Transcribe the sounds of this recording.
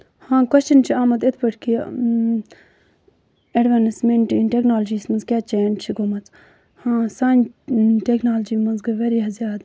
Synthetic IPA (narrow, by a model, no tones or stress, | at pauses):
hãːkwɐst͡ʃɐnt͡ʃʰiaːmɐt̪ɪt̪ʰbɐʈʰki | eɖʋaːnsmeɳʈinʈeknaːld͡ʒiːsmɐnzkʲjaːt͡ʃeːnt͡ʃʰiɡomɐt͡s | hãːsaːnʈeknaːld͡ʒiːmɐnzɡɐʋeɾiɦɐzjaːd̪